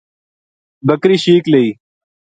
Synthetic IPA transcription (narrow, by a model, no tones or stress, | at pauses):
bɐkɾiɕiːkleiː